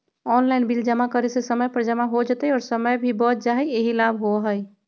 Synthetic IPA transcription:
ɔnlaɪnbild͡ʒəmakəɾesesəməjpəɾd͡ʒəmaɦod͡ʒət̪əɔːɾsəməjbʱibɔt̪d͡ʒaɦɛeɦilabɦoɦəj

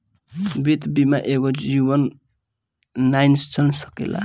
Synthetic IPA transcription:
bit̪bimaʔeɡojuwʌn | ajnst͡sʰʌnsʌ̥kḛla̰

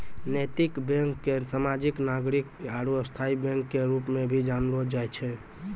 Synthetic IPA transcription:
nəjt̪ikbẽŋkːesamad͡ʒiknaɡɾikaɾuəst̪ʰaibẽŋkːeɾupmebʱid͡ʒanɾod͡ʒajt͡ʃʰɛ

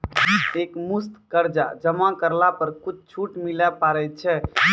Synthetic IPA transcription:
ekmust̪kəɾd͡ʒa̰d͡ʒəmãkəɾlapəɾkut͡ʃʰt͡ʃʰuʈmilɛpaɾɛt̪̚t͡ʃʰɛ

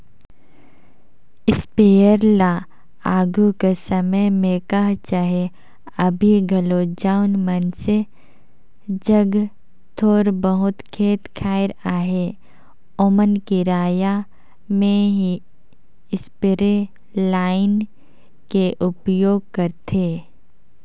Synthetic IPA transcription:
ɪspejəɾla | aːɡukesəməjmẽkəɦt͡ʃaɦe | ɐbʱiɡʱɐlod͡ʒaːʊnmənse | d͡ʒəɡ | t̪ʰoːɾbəɦʊt̪kʰeːt̪kʰaːɪɾaːɦe | omənkiɾaːja | mẽɦi | ɪspɾe | laːɪn | keʔʊpjoːɡ̚kɐɾt̪ʰeː

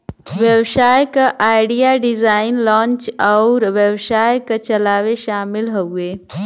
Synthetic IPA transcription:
wewʃaːjkaʔaːɪɖijaɖizaːɪnlaːnt͡ʃaʊɾʋewʃaːjkat͡ʃɐlaːweʃaːmɪlɦoueː

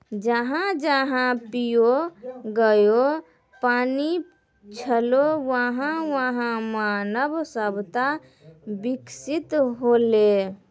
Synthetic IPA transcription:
d͡ʒəɦãd͡ʒəɦãpijoɡəjo | pani | t͡ʃʰəlowəɦãwəɦãmanəbsəbt̪a | biksit̪ɦole

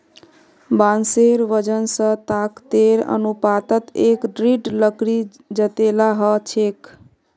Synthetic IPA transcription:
banseɾʋəd͡ʒənsə̃t̪akt̪eɾə̰nupat̪ət̪ekɖɾiɖləkɾi | d͡ʒət̪elaɦət͡ʃʰek

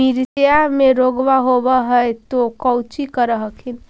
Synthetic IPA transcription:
iɾsjameɾoɡʋaɦobəɦəjt̪okəwt͡ʃikəɾəɦəkʰin

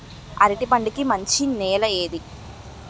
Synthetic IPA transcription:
ɐ̰ɾiʈipɐɳɖikːimɐɲt͡ɕineːlɐeːd̪i

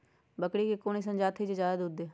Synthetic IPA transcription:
bəkɽiːkekoːnis̬ə̃nd͡ʒaːt̪ʰid͡ʒed͡ʒaːd̪ud̪eː

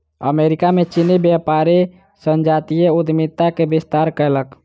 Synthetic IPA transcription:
ə̰meɾikamet͡ʃinibjapaɾe | sənd͡ʒat̪ijeud̪mit̪ːakebist̪aɾkələk

